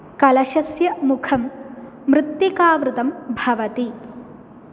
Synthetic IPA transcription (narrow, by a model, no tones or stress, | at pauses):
kɐlɐʃɐsjɐmukʰɐmː | ɾɨt̪ːjikaːʋɾut̪ɐmbʱɐʋɐt̪i